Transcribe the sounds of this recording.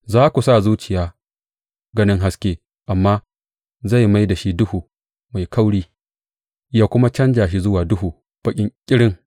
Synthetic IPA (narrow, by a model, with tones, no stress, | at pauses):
zaː˦kʷu˨saː˦˨zuː˦t͡ʃɪ˨jaː˦ | ɡɐ˦nɪ˦ŋɦa˦skʲeː˦ | ʔa˨mːaː˦ | za˦˨jma˦jda˨ʃi˦dʊ˦huː˨ | ma˨jkʰa˦wɽiː˦ | jaː˦kʷʊ˦ma˦t͡ʃɐ˦nd͡ʒaː˨ʃ̬i˦zʊ˦waː˨dʊ˦huː˨ | b̥ɐ˦kʲʼɪ˦ŋkʲʼɪ˦ɽɪ˦ŋ